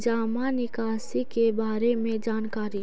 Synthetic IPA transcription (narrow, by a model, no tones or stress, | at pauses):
d͡ʒaːmanɪkaːsikebaːɾemẽd͡ʒaːnkaːɾi